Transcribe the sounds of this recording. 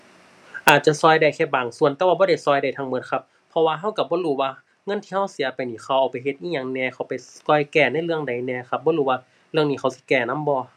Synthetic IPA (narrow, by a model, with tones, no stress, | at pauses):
ʔaː˨t̪̚t͡ɕa˧˨sɔː˧˩jda˧˩jkʰɛː˧˩baː˨˩ŋsu˧˨ənt̪ɛː˧waː˧bɔː˧˦ɾa˧˩jsɔː˧jda˧˩jt̪ʰaː˧ŋmɤ˧t̪̚kʰa˧p | pʰːɔ˧waː˧ɦa˧˥˩wka˧˩bɔː˧˦˨ɾuː˧˩waː˧ | ŋɤ˧˥˨nt̪ʰiː˧ha˧˥˩wsi˨˦pa˨jniː˧˩kʰa˧˩wʔaː˨˩wpa˨˩jɦe˧t̪̚ʔiː˧˨ɲaː˧˩ŋnɛː˧˩xʰa˧˩wpa˨jkɔ˧˨jkɛː˧˩na˧˥˨jlɯ˧˨əŋda˨˩jnɛː˧˩kʰa˧p̚bɔː˧˦ɾuː˧˩waː˧ | lɯ˧əŋniː˧˨xa˧˩wsi̥˧˦kɛː˧˩na˧˥˨mbɔː˧˦